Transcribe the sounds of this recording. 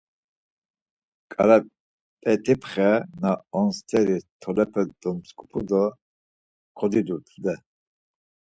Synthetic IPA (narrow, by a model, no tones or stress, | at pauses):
kʼa̰ɾa | pʼɛt̪ʰʼipʰχɛnaɔnst̪ʰʼɛɾit̪ʰɔlɛpʰɛd̪ɔmskʼupʰud̪ɔ | kʰɔd̪id̪uɾt̪ʰd̪ɛ